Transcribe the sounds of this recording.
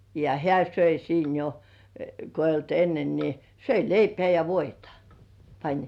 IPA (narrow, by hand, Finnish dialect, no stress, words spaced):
jɑ hĕæˑ søi siːn jo ko eijˑ olt enːen ni søi leipĕæˑ jɑ ʋoitɑ̥ pɑnʲ